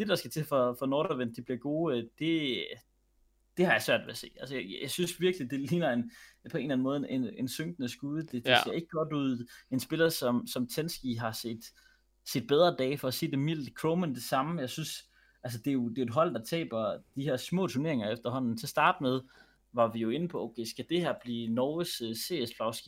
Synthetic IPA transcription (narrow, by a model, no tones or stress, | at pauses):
d̥e̝d̥ɑ̈sɡ̥æt͡sʰe̝fɒ̽fɒ̽noːɾɐʋen̰̚d̥eb̥liɐɡ̥o̝ːød̥e̝ | d̥e̝hɑ̈jɑ̈sʋɶɐ̰dʋe̝æse̝̰ːælsəjjäsynsʋiɐɡ̥lid̥e̝liːnɐenpʰɒ̽e̝ːnlæn̩mɔ̽ːð̩ˠene̝nsøŋ̰ɡ̥nəsɡ̥uːðˠəd̥e̝dese̝ɐe̝ɡ̥əɡ̥ɒ̽d̥uð̞̰ˠe̝nsb̥e̝lɐsɒ̽msɒ̽mt͡sʰensɡ̥iɦɑ̈sḛːd̥ | sid̥̚b̥eð̞ˠʁɐd̥ɛ̰ːfɒ̽æse̝̰ːd̥emil̰d̥kʰʁoʊmend̥e̝sɑ̈məjɑ̈ɪsyns | ʔæls̬əd̥e̝jo̝d̥e̝o̝ed̥ɦɒ̽l̰d̥ɑ̈t͡sʰɛ̰ːb̥ɐd̥ihæɐ̰smɔ̰ːt͡sʰuɐne̝ɐe̝ŋɐefd̥ɐɦɒ̽n̰n̩sʰesd̥ɑ̈ːd̥með̞ˠ | ʋɑ̈ʋijo̝e̝nəpʰɒ̽ʔoʊkʰeɪsɡ̥æd̥e̝hæɐ̰b̥liːnɒʊəsse̝̰ːespʰlɑ̈ʊsɡ̥i